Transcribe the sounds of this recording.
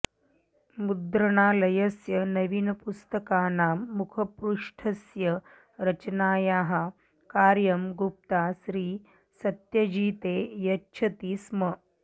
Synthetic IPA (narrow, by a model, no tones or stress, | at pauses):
mud̪ɾɐɽaːlɐjɐsjɐnɐʋinɐpust̪ɐkaːnaːmːukʰɐpɾuʂʈʰɐsjɐ | ɾɐt͡ʃnaːjaːɦa | kaːɾjɐmɡup̚t̪aːsɾiː | sɐt̪jɐd͡ʒiːt̪eːjɐtːʃʰɐt̪iːsmɐ